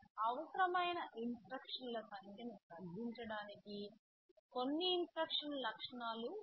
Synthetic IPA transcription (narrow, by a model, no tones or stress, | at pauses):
ɐʋɐsɾɐmɐjnɐʔinspɾɐkʂɐnlɐsɐŋɡʰjɐmit̪ɐɡ̪ʱiɲt͡ʃɐɽaːniki | ko̞nːiːnspɾɐkʂɐnlɐkʂɐɳaːlu